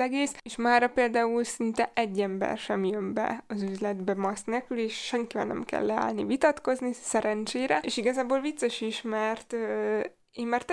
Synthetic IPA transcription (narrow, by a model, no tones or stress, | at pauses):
ɛɡeːseːʃmaːrɾɒpeːld̪aːulsint̪ɛʔɛɟːɛmbɛ̰rʃɛmjømbɛ̰ɒzyzlɛd̪bɛmɒst̪nekyleːʃʃɛŋkivɛ̰lnɛ̰mkɛ̰lːɛa̰ːlnivit̪ɒt̪ko̞znisɛɾɛnt͡ʃeːɾɛeːʃiɡɒzaːboːlvit̪sːɛʃiʃmɛrt̪ø | eːmmɛrt̪